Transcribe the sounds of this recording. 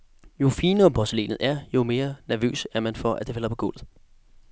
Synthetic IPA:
jo̝fiːnəɒ̽pʰɒsəlḛːnð̩ˠæɐjo̝me̝ːɐnæɐʋø̰ːsæɐmænfɒ̽ʔæ̰d̥e̝fælɐpʰɒ̽ɡ̥ɔl̰ð̩ˠ

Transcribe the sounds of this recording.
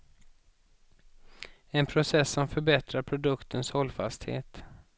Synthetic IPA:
ɛnpʰɾʊsɛsːɔmfœɾbɛt̪ɾaɾpʰɾʊd̪ɵkt̪ʰənshɔlːfa̰st̪hḛːt̪

